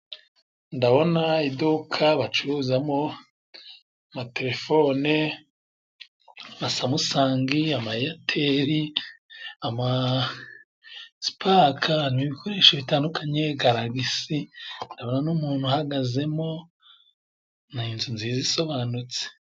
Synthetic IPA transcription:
ndaβo̞naidukʰaβat͡ʃuɾuzamo | amate̞ɾe̞fo̞ne | amasamusaːŋɡiamaijatʰeɾi | ama | si̥pʰakʰanimiβikʰo̞ɾeːʃoβitaːndukʰaɲe̞ɡaɾaɡisindaβo̞nanumuːn̥huhaɡaze̞mo̞ | ninzunziziso̞βanut͡se̥

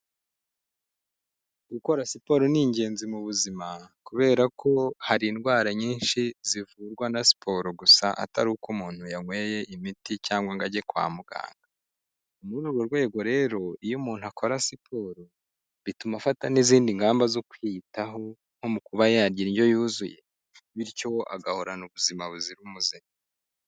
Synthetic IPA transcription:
ɡuko̞ɾasipo̞ɾoniɲɟe̞ːnzimuβuzimakuβe̞ːɾakʰo̞haɾinɡwaːɾaɲiːnʃizivuːɾɡwanasi̥pʰo̞ɾoɡusa̰ʔa̰ta̰ɾuhukumuːn̥hujaŋwe̞ːje̞ʔimiticaːŋɡwaŋɡaɟe̞kwa̰ːmuɡ̥a̰ːnda | umuɾuɾɡo̞ɾɡwe̞ːɡo̞ɾe̞ːɾo̞ijumuːn̥huakʰo̞ɾasipʰoɾo | βitumafataniziːndiŋɡaːmbazokwitaɦo̞ | ŋ̥ho̞mukuβajaɾɟiɾiɲɟo̞juːzuje̞̰ | βiɾco̞ʔa̰ɡaho̞ɾanuβuzimaβuziɾumuzima

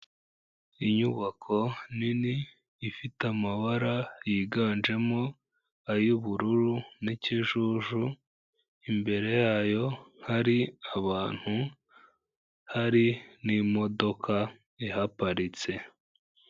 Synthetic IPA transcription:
iɲuβakʰo̞niniː | fitamaβaɾajiːɡaːnd͡ʒe̞mo̞ | ajuβuɾuɾuniciʒuʒu | imbe̞ɾe̞jajo̞haɾiaβaːn̥hu | haɾinimo̞do̞kʰa | ihapaɾit͡se̞

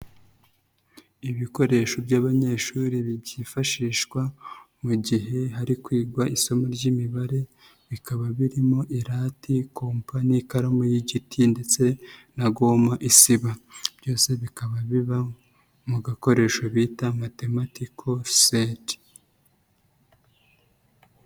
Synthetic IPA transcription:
iβiko̞ɾe̞ʃo̞bjaːβaɲe̞ːʃuɾiβiɟifaʃiːʃkwa | muɟiɦe̞ɦaɾikwiːɡwaʔiso̞moɾɟimiβaɾe̞ | βikaβaβiɾimo̞ʔiɾatikʰo̞mpanikaɾamojiɟitʰinde̞t͡se̞naɡo̞ːmaʔisiβab̥jo̞ːse̞βikaβaβiβa | muɡako̞ɾe̞ːʃoβiːtamate̞matikʰo̞sedi̥

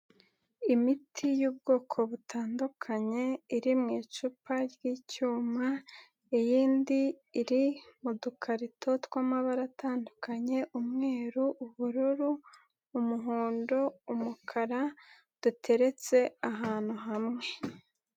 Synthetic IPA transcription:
imitʰijuːb̚ɡo̞ːkʰo̞βutʰaːndukʰaɲe̞iɾimŋiːt͡ʃupʰaɾɡiːcuːma | ejiːndiː | ɾimudukʰaɾitʰo̞tkwaːmaβaɾatʰaːndukʰaɲe̞ʔumŋe̞ːɾuʔːβuɾuɾuː | muɦuːndo̞umukʰaɾa | d̥utʰe̞ɾe̞t͡se̞aɦaːn̥huɦamŋe̞

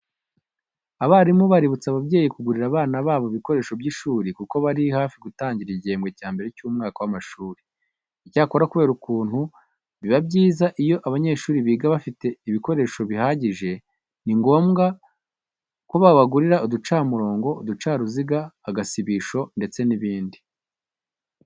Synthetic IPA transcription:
aβaɾimuβaɾiβut͡saβabɟe̞ːjikuɡuɾiɾaβaːnaβaːβoiβiko̞ɾe̞ːʃo̞bɟiːʃuːɾikuko̞βaɾihaːfiɡutaːɲɟiɾiɟe̞ːmɡwe̞caːmbe̞ɾecuːmŋaːkawamaʃuːɾi̥ | icaːko̞ɾakuβe̞ːɾukuːn̥hu | βiβabɟiːzaʔijo̞ʔaβaɲe̞ːʃuːɾiβiːɡaβafite̞iβiko̞ɾe̞ːʃo̞βihaːɟiʒe̞ | niŋɡo̞ːmɡa | ko̞βaβaɡuɾiɾaudut͡ʃaːmuɾo̞ːŋɡo̞udut͡ʃaːɾuziɡaːɡasiβiːʃo̞nde̞t͡se̞niβiːndi

